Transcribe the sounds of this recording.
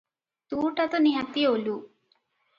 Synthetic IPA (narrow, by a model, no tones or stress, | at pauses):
t̪uːʈɐt̪uniɦɐt̪iolu